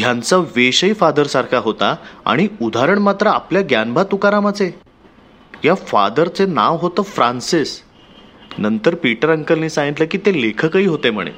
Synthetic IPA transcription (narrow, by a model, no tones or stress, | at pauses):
ɦjãnt͡saʋeɕəifad̪əɾsaɾkʰaɦot̪aa̰ɽ̃iud̪ʱaɾəɳmat̪ɾəapljaɡjanbʱat̪ukaɾamat͡se | jafa̰d̪əɾt͡sena̰ʋɦot̪əːfɾansis | nənt̪əɾpiʈəɾəŋkəlniːsãŋɡit̪ləkiːt̪elekʰəkəɦiːɦot̪em̤ə̰ɽ̃ḛ